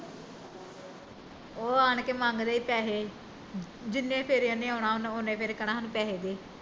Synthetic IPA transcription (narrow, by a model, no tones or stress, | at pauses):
oːaːɳkemãːŋɡd̪eːiːpɛːɦeː | d͡ʒɪnːẽːpʰeɾjãːnẽːaːɳaːʊnonẽːpʰɪɾkəɽãːnũːpɛːɦeːd̪eː